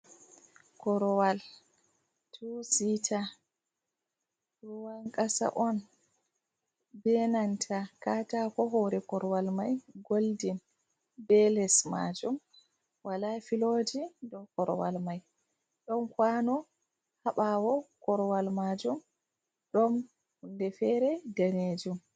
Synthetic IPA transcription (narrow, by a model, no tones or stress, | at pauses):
kɔɾɔwal | tʰusitʰa | ɗuwaŋkʼasa̰ʔɔn | bɛnantʰakatakɔɦɔɾɛkɔɾwalmajɡoldin | bɛlɛsma̰d͡ʒum | walafilod͡ʒidɔkɔɾwa̰lmaj | ɗɔnkwanɔ | haɓawɔkɔɾwalmad͡ʒum | ɗɔn | hundɛfɛɾɛdaned͡ʒum